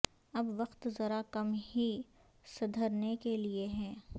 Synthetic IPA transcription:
ɐbʋɐqt̪zɐɾakɐmɦi | sɐd̪ʱəɾnekelieɦɛ̃ː

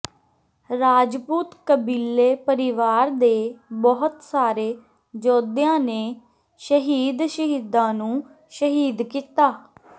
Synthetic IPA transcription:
ɾaːd͡ʒpuːt̪kəbiːlːeːpəɾɪʋaːɾd̪eːbɔɦʊt̪saːɾeː | d͡ʒɔːd̪jãːneː | ʃəɦiːd̪ʃəɦiːd̪ãːnũː | ʃəɦiːd̪kiːt̪aː

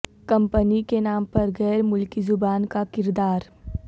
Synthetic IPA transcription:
kɐ̃mpənikenaːmpɐɾɣɛːɾmʊlkizʊbaːnkakɪɾd̪aːɾ

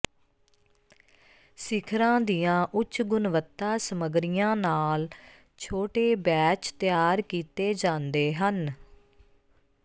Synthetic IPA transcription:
sɪkʰɾãːd̪ijãːʔʊt͡ʃɡʊnʋət̪ːaːsəməɡɾɪjãːnaːl | t͡ʃʰoːʈeːbɛːt͡ʃt̪ɪjaːɾkiːt̪eːd͡ʒãːnd̪eːɦən

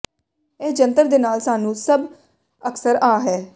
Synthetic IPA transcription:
eːd͡ʒənt̪əɾd̪eːnaːlsaːnũːsəb | əksəɾaːɦɛː

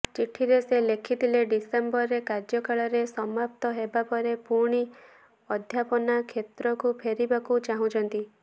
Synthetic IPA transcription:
t͡ʃiʈʰiɾeselekʰit̪ileɖisembɔɾekaɾd͡ʒjɔkaɭɔɾesɔmap̚t̪ɔɦebapɔɾepuɾɽ̃i | ɔd̪ʱjapɔnakʰet̪ɾɔkupʰeɾibakut͡ʃaɦũt͡ʃʰɔnt̪i

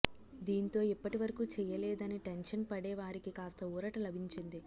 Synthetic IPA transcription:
d̪iːnt̪o̞ːipːɐʈiʋɐɾɐkuːt͡ʃɛːjɐlɛːd̪ɐniʈenʂɐnpɐɽeːʋaːɾikikaːst̪ɐuːɾɐʈɐlɐbʱiɲt͡ʃind̪i

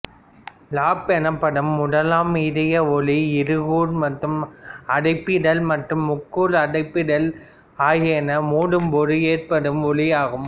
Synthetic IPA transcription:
laːpɛnɐpːɐɽɯmːʊɽɐlaːmiðɐjɐɔliɪɾɯɣuːɾmɐʈrɯmɐɽɐɪpːɪɽɐlmɐʈrɯmːʊkːuːɾɐɽɐɪpːɪɽɐl | aːjeːnɐmuːɽɯmpoːɾɯeːrpɐɽɯmɔlɪjaːɣɯm

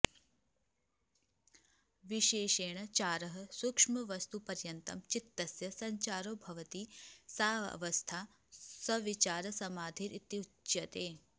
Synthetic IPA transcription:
ʋiʃeːʃeːɳɐt͡ʃaːɾɐɦɐ̆sukʂmɐʋɐst̪upɐɾjɐnt̪ɐ̰mt͡ʃit̪ːɐsjɐsɐɲt͡ʃaːɾoːbʱɐʋɐt̪isaːʋɐɐ̰ʋɐst̪ʰaː | sɐʋit͡ʃaːɾɐsɐmaːd̪ʱiːɾʔit̪ji | jɐt̪eː

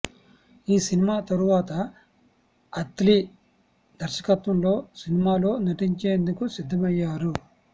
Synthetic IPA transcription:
iːsinimaːt̪ɐɾuʋaːt̪ɐ | t̪li | d̪ʱɐɾʃɐ̥kɐt̪ʋɐmlo̞ːsinimaːlo̞ːnɐʈiɲt͡ʃe̞ːnd̪ukusid̪ʱːɐmɐjːaːɾu

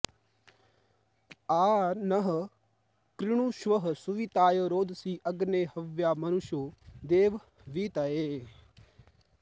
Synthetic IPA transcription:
aːnɐɦ | kɾɪɽ̃uːʃʋəɦsuʋit̪aːjoɾoːd̪siːʔɐɡneːhɐʋjaːmɐnʊʃoːd̪eːʋ | ʋiːt̪aeː

